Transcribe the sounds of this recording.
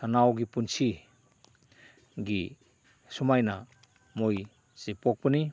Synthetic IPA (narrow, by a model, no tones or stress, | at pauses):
sanawɡipunsʰi | ɡi | sumajna | moj | zepok̚pəni